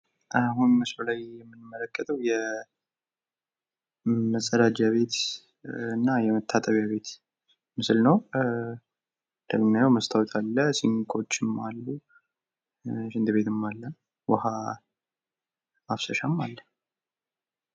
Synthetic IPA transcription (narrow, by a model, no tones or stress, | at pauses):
ʔaɦunmɨslulajjɛmːɨnmːələkʼːət̪ʼəwjɛ | məsʼːəd̪ad͡ʒaβe̞t̪ | ɨnːajɛmət̪ʰːat̪ʼəβjaβe̞t̪ | mɨsɨlnəw | d̪̥əɡmnjajwməst̪ʰawt̪ʰalːəsiŋkʰʼo̞t͡ʃːɨmːalːu | ʃɪnd̪ɨβe̞t̪ɨmːalːə | wəha | afsəʃamːalːə